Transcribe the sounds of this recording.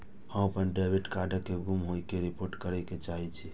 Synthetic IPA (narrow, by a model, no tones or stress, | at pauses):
həməpənɖebiʈkaɖəkːeɡumɦojkeɾipoɾʈkəɾɛket͡ʃaɦit͡ʃʰi